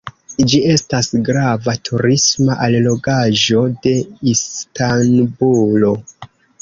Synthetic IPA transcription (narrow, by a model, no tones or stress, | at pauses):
d͡ʒie̞stasɡɾavatʰuɾismaʔallo̞ɡaʒo̞de̞istanbulo̞